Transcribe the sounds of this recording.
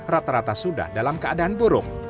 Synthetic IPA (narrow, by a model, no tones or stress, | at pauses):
rat̪aɾat̪asuda̰hdalamkəadaanbuɾʊk̚